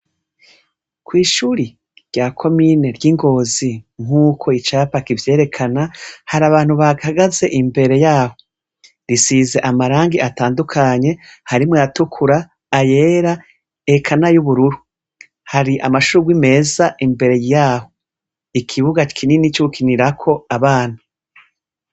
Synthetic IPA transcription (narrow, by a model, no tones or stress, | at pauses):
kwiːʃuːɾi | ɾɟakʰo̞mine̞ɾɟiŋɡo̞ːziŋ̥uːkʰo̞it͡ʃaːpakivje̞ːɾe̞kʰanahaɾaβaːn̥huβaɡahaɡaze̞ʔimbe̞ɾe̞jaːho̞ | ɾisize̞ʔamaɾaːŋɡiʔataːndukʰaɲe̞haɾimŋweatukʰuɾaː | je̞ːɾa | ekʰanajuβuɾuɾu | haɾiʔamaʃuɾuɡwime̞ːzaʔimbe̞ɾe̞jjaːho̞ | ikʰiβuɡakʰininit͡ʃoukʰiniɾakʰo̞aβaːn̥hu